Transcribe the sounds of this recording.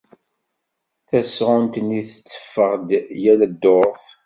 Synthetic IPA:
θæsʁʊnt̪ənːiθət͡sːə̥fːəʁd̪jælæd̪ːoɾˤθ

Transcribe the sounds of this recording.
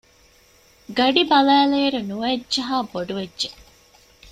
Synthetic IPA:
ɡɐɖibɐlæːleːɾunuʋædːʒɐɦaːboɖuʋedʒe

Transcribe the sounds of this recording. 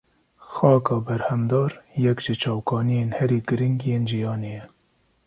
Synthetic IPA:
xɑːkɑːbɛɾhɛmd̪ɑːɾjɛkʒɨt͡ʃʰɑːwkɑːnijeːnhɛɾiːɡɨɾɪŋɡjeːnʒijɑːneːjɛ

